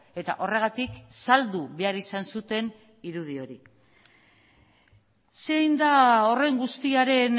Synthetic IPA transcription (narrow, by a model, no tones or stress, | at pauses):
e̞t̪a̰ʔo̞re̞ɣ̞at̪iksald̪uβe̞aɾisansut̪e̞n | iɾuðio̞ɾi | se̞jnd̪ao̞re̞ŋɡust̪iaɾe̞n